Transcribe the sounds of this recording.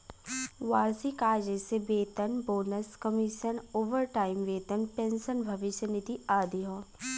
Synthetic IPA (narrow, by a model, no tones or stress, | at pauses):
ʋaːɾsikaːd͡ʒesebeːt̪ənboːnəskɐmɪʃənoːʋəɾʈaːɪmʋeːt̪ənpẽnsənbʱɐʋɪʃjənɪt̪iaːd̪iɦõː